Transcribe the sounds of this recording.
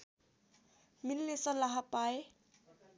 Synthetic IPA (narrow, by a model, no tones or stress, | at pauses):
milːesʌlaɦapae